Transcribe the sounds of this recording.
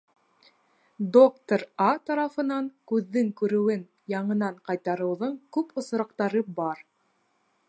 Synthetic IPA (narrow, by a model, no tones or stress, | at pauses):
d̪okt̪oɾɑt̪ɑɾɑfɤ̆nɑŋkʉðːɘŋkʉɾɘ̆wɘn | jɑɴɤ̆nɑɴqɑjt̪ɑɾɤ̆wðɤɴkʉpŏs̆ɾɑqt̪ɑɾɤbɑɾ